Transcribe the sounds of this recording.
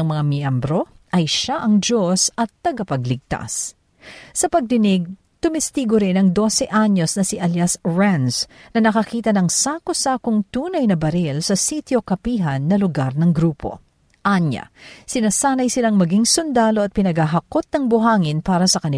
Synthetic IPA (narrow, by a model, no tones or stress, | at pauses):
ɐŋmɐŋamiʔɐmbɾo̞ʔɐjʃaʔɐŋd͡ʒo̞sɐt̪ːɐɡɐpɐɡlɪɡ̚t̪a̰sː | ɐpɐɡ̚d̪ɪnɪɡ̚ | t̪ʊmɪst̪iɡoɾɪnɐŋd̪o̞sɛʔaɲːo̞snɐsiʔɐljasɹansnɐnɐkɐkiːt̪ɐnɐŋsaːkosaːkoŋt̪uːnɐjnɐbɐɾilsɐsit̪jo̞kɐpiːɦɐnːɐlʊɡaɾnɐŋɡɾuːpo̞̰ | ʔaɲːɐ̰sɪnasaːnɐjsɪlaŋmɐɡiŋsʊnd̪aːlo̞ɐt̪̚pɪnɐɡhaɦɐkot̪̚nɐŋbʊɦaːŋɪnpaːɾɐsɐkɐnɪ